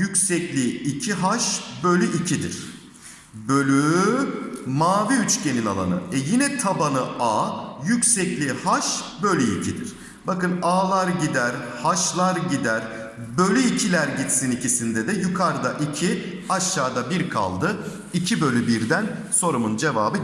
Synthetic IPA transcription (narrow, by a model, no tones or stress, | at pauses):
jycʲsɛclʲiːcʰiɦaʃbø̞lʲyʔicʰid̪iɾ̥ | bølʲy | maːviyt͡ʃce̞ninalˠa̰nɯ̰ɛjinɛt̪ʰabanɯaːjycsɛclʲihaʃbølʲyḭcʰid̪ḭɾ̥ | bakɯnaːlˠaɾɟid̪æɾhaʃlˠaɾɟid̪æɾ | bø̞lʲyicʰilʲæɾɟit̪sinicisind̪ɛd̪ɛjukʰaɾd̪aʔicʰi | aʃːaːd̪abiɾkʰa̰lˠd̪ɯ | icʰibø̞lʲybiɾd̪ænso̞ɾumund͡ʒe̞vaːbɯ